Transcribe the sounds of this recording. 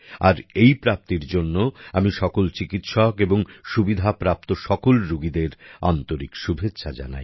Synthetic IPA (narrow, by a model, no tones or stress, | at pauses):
aɾejpɾap̚t̪iɾd͡ʑonːoamiʃɔkolt͡ɕikit̪ʃɔkeboŋʃubid̪ʱapɾap̚t̪oʃɔkolɾuɡid̪eɾa̰nt̪oɾikʃubʱetːɕʰad͡ʑa̰na̰j